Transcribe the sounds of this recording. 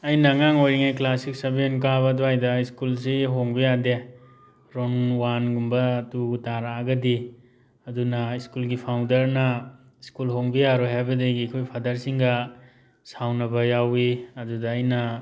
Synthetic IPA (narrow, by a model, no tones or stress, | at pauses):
ɐjnɐːŋaŋojɾiŋajklasik̚sɐbinkaβɐduajdɐiskuls̬iɦoŋbijade | ɾonwanɡumbɐtuɡutaɾaːɡɐdi | ɐdunɐiskulɡipʰawndɐɾnɐ | iskulɦoŋbijaɾɔjɦajbɐdeɡikʰojpʰadaɾsiŋɡɐ | sawnɐbɐjawiɐdudɐːjnɐ